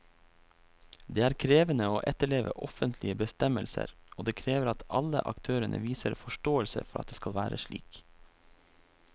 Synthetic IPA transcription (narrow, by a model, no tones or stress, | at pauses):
d̪eːæːɾkʰɾeːʋənəoːʔɛt̪əɭeːʋə̰ʔɔfənt̪ʰlɪəbəst̪ɛməlsə̰ɾʔoːd̪eːkʰɾeːʋəɾɑt̪ɑlə̰ʔɑ̰kt̪ʰøːɾənʔə̰ʋiːsəɾfɔʃʈoːəlsə̰fɔɾʔɑ̰t̪̚d̪eːskɑlʋæːɾəʃɭḭːk